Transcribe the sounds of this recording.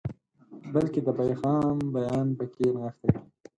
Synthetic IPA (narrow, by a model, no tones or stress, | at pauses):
bəlked̪əpajɣɑmbajɑnpəkenaxt̪aki